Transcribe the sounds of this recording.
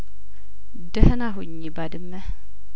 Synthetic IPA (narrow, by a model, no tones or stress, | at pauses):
dəhnaɦʊɲibadɨmːɛ